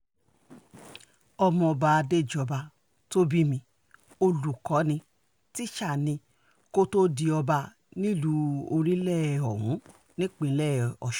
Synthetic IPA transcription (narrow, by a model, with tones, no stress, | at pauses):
ɔ˧mɔ̃˧ɔ˧ba˧a˧de˦˨d͡ʒɔ˧ba˧ | to˦bi˦mĩ˧ | o˧lu˨kɔ˨˦nĩ˧ | ti˦ʃa˦˨nĩ˧ | ko˦to˦di˧ɔ˧ba˧ | nĩ˦lu˧˦o˧ɾĩ˦lɛ˦˨ɔ˨ɦũ˨˦ | nĩ˦k͡pĩ˧˦lɛ˦˨ɔ̰˨ʃ